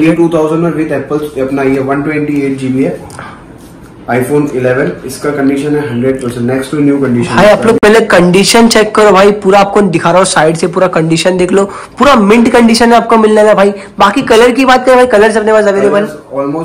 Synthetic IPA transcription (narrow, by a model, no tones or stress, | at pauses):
eʈuːt̪ʰaːʊzə̃ɳɖmẽʋɪt̪ɛːpəlsɐpnaiɛʋɐ̃nʈwɛ̃ɳʈieːʈ̚d͡ʒiːbiɛ | aːɪfoːnɪleːʋənɪskakɐ̃ɳɖiːʃə̃nɦɛɦɐ̃ɳɖɾeɖ̚pəɾsə̃nnɛksʈunjuːkɐ̃ɳɖiːʃə̃ɦaːiaːploːɡ̚pɛɦlekɐ̃ɳɖiːʃənt͡ʃɛːkːɐɾobʱaːipuːɾaːp̚kod̪ɪkʰaːɾaosaːɪɖsepuːɾakɐ̃ɳɖiːʃənd̪eːkʰloː | puːɾamɪ̃ɳʈkɐ̃ɳɖiːʃənɦɛaːp̚komɪlnelabʱaːi | baːkikɐləɾkibaːt̪̚kɐɾebʱaːikɐləɾs̬eɐpnebaːsɐɡəɾibɐlɔːlmoː